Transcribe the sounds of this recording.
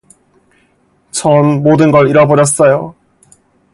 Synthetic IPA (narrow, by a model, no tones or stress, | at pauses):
t͡ɕʰʌnmodɯnɡʌɾiɾʌbod͡ʑʌs͈ʌjo